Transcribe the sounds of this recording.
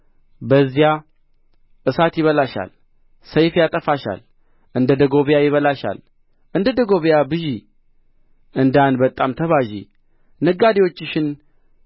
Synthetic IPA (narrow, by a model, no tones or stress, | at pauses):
bəzːija | ʔɨsat̪jɪβəlaʃa̰l | səjfjat̪ʼəfaʃa̰l | ʔɨnd̪əd̪əɡo̞βjajɪβəlaʃa̰l | ʔɨnd̪əd̪əɡo̞βjabɨʒi | ɨnd̪anbət̪ʼːamt̪ʰəβaʒḭ | nɨɡad̪ewo̞t͡ʃːɪʃɪn